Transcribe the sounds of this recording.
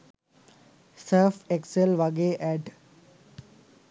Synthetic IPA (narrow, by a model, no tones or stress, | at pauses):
seɾfekselʋaɡeːʔæɖ